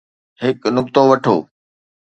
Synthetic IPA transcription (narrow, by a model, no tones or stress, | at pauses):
ɦɪknʊk̚t̪oʋɐʈʰo̰ː